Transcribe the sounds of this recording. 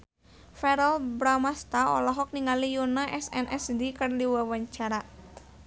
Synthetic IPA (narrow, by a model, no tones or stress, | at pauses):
fɛɾalbɾamast̪aɔ̰laɦɔk̚niŋalijunaʔɛsɛnʔɛsdikərdiwawaɲt͡ʃaɾa